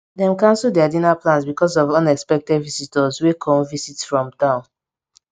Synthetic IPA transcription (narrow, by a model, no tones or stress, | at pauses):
dɛ̃mkãnsudɛadinaplãnsbikɔsɔvʌ̃nɛkspɛk̚tɛdvisitɔzwekʰɔ̃mvisitfɹɔ̃mtãʊ̃n